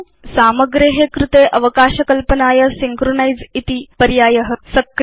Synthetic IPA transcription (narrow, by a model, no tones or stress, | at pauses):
saməɡɾeɦekɾut̪eʔəʋəkaɕɐkəlpənaːjəsiŋkɾonajd͡zit̪iːpəɾjaːjəɦəsɐkɾ